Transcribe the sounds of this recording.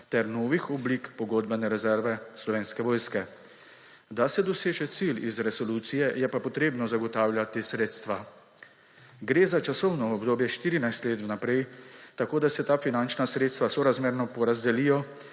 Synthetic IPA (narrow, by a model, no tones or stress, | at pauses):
t̪ɛɾnoːʋixɔblikpɔɡoːd̪bɛnɛɾɛzɛɾʋɛslɔʋeːnskɛʋɔːjskɛ | d̪asɛd̪ɔseːʒɛt̪silizɾɛsɔluːt̪sijɛjɛpapɔt̪ɾeːbnɔzaɡɔt̪aːwlʲjat̪esɾeːt̪st̪ʋa | ɡɾeːzat͡ʃasɔwnɔɔbd̪oːbjɛʃt̪iːɾinajst̪leːt̪wnapɾɛjt̪akoːd̪asɛt̪aːfinant͡ʃnasɾeːt̪st̪ʋasɔɾazmeːɾnɔpɔɾazd̪ɛlijɔ